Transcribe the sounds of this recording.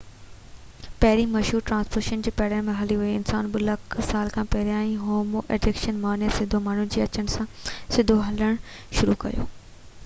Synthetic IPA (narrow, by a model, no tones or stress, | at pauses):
pɐɦɪɾimɐʃɦuːɾʈɾãːnspoːɾʃənd͡ʑiːpɛːɽənmẽɦɐliɦuiɪnsaːnɓɪlɐksaːlkʰãːpɐɦɾijãːĩɦoːmoʔḛːɖɪkʃənmaːnijəsɪd̪ʱomaːɳ̤unɪd͡ʑiːɐt͡ɕəñɪ̆sãsɪd̪ʱoɦɐləɽ̃ | ʃʊɾukɐ̰jo̰ː